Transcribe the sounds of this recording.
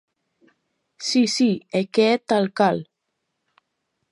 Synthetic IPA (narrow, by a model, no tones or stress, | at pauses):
sisieket̪alkal